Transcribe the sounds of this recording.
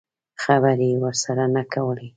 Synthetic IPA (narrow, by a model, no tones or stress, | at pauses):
xabaɾiwəɾsaɾanakawəli